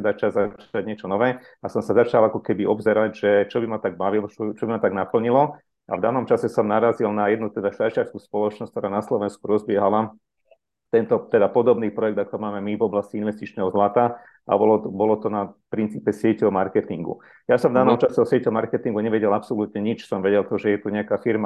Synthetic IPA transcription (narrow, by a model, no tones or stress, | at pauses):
ɛd̪at͡ʃazat͡ʃaɟɲɪɛt͡ʃɔnɔʋɛː | asɔmsazat͡ʃalakɔkɛbiɔbzɛɾaɟʒɛt͡ʃɔbimat̪aɡ̚baʋilɔt͡ʃɔbimat̪aɡnapl̩ɲilɔ | a̰vd̪aːnɔmt͡ʃasɛsɔmnaɾazilnajɛd̪nut̪ɛd̪aʃat͡ʃɪaɾskuspɔlɔt͡ʃnɔsc̚kt̪ɔɾaːnaslɔʋɛnskuɾɔzbɪɛɦala | t̪ɛnt̪ɔt̪ɛd̪apɔd̪ɔbniːpɾɔjɛɡ̚d̪akɔmaːmɛmivɔblasciinʋɛst̪it͡ʃnɛɦɔzlat̪a | ʔa̰bɔlɔbɔlɔt̪ɔnapɾint͡siːpɛsɪɛcɛɔmaɾkɛt̪iŋɡṵ | jasɔmvd̪aːnɔmt͡ʃasɛɔsɪɛcɛɔmaɾkɛt̪iŋɡuɲɛʋɛɟɛlapsɔlut̪ɲɛɲit͡ʃsɔmʋɛɟɛlt̪ɔʒɛjɛt̪uɲɛakaːfiɾma